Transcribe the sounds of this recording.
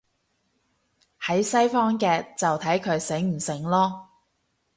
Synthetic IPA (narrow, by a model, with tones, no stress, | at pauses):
hɐ˨˥jsɐ˥jfɔː˥ŋkɛː˧t͡sɐ˨wt̪ʰɐ˨˥jkʰɵ˨˧ɥsɪ˨˥ŋm̩˨˩sɪ˨˩ŋlɔː˥